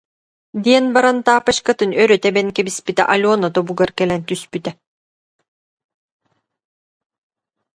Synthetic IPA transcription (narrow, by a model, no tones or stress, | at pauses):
d̪iɛnbaɾant̪aːpaʃkat̪ɯnœɾœt̪ɛbɛnkɛbispit̪ɛ̰ʔalʲuɔːnat̪ɔbuɡaɾkɛlɛnt̪yspyt̪ɛ